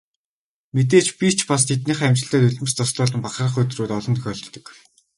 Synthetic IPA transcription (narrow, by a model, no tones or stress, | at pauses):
met̪̬eːt͡ɕpʲit͡ɕʰpas̬t̪ʰet̪̬̚niːχæmʲt͡ɕɪ̆ɬæːt̪ɵɮʲmɘ̆st̪ʰɔsɮʊːɮə̆mpaχrə̆χɵt̪̆ruːt̪ɔɮɞ̆nt̪ʰxʲœɮɞ̆t̪ɞ̆k